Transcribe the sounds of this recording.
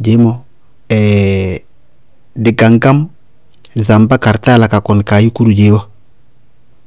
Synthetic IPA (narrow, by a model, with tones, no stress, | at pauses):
d͡ʒe˨˦mo˨ | ɛ˨ | di˨ɡa˨ŋɡa˦m | za˨mba˦ka˨ɾta˦la˨ka˨ko˨nka˨ji˦ku˦ɾu˨ɟe˨˦wa˦